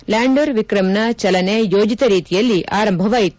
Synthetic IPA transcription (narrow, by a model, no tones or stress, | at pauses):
laːɳɖoɾʋikɾɐmnɐt͡ʃɐlɐnejoːd͡ʒit̪ɐɾiːt̪ijɐlːiʔaːɾɐmbʱɐʋaːjit̪ːu